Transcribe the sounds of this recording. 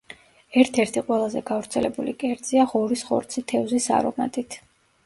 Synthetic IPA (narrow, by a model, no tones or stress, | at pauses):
ɛɾt̪ʰɛɾt̪ʰiqʼwɛlˠazɛ̰ɡavɾt̪sʰɛlɛbulikʼɛɾd̪z̥iaʁɔɾisχɔ̰ɾt̪sʰit̪ʰɛvzisa̰ɾɔ̰ma̰t̪ʼit̪ʰ